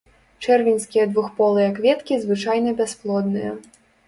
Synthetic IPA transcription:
t͡ʂɛrvʲinʲsʲkʲijɐd̪vuxpɔlˠɨjɐkvʲɛt̪kʲizvɨt͡ʂajnɐbʲɛsplˠɔd̪nɨjɐ̰

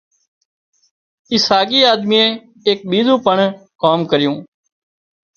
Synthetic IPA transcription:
ɪsaːɡiːaːd̪miːẽː | eːk̚ɓiːzũːpəɳkaːmkəɾɪjũː

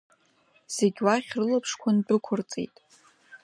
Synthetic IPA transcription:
z̥eɡʲwaχʲrɨlapʰʂkʷʰandɨkʷʰʊrt͡sʼḛjtʼ

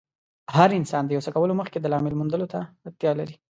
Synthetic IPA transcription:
ɦaɾɪnsɑnd̪əjawsəkawəloməxked̪əlɑmɪlmund̪əlot̪aːt̪jɑlaɾi

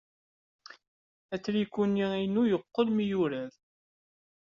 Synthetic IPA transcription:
æt͡sːɾikːuniinujəqːəlmijuɾæð

